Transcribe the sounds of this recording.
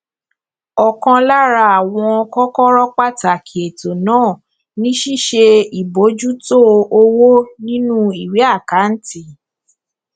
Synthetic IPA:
ɔ˨kã˧la˦ɾa˧a˨w̃ɔ̃˧ɔ˧kɔ˦kɔ˦ɾɔ˦k͡pa˦˨ta˨kʰi˨e˨to˨nãː˦˨ | nĩ˦ʃi˦˨ʃe˧i˨bo˨˦d͡ʒu˦to˦o˧wo˦nĩ˦nũ˦i˨wi˨˦a˦˨ka˨˦n̩˦ti˦˨

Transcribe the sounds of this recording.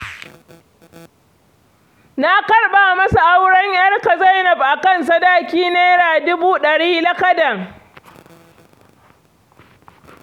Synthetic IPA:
na˦kɐ˦ɽɓaː˨mɐ˦sa˨ʔa˦wɽɐ˦ɲjɐ˦rka˨za˦jnɐ˨b̚ʔa˨kɐ˦˨ns̬ɐ˦daː˦kʲiː˦neː˦ɾaː˨dʊ˦buː˦ɗɐ˨ɽiː˦lɐ˦kɐ˦dɐ˨ŋ

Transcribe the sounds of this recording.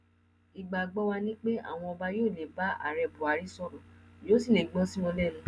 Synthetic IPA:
i˨ɡ͡ba˨ɡ͡bɔ˦wa˧nĩ˦k͡pe˦a̰˦˨w̃ɔ̃˧ɔ˧ba˦joː˦˨le˨ba˦a̰˦˨ɾɛ˧˨bu˨a˨ɾi˦sɔ˦˨ɾɔ̃˨joː˦sĩ˦˨nĩ˨ɡ͡bɔ̃˦sĩ˦mɔ̃˧lɛ˦˨nũ˦

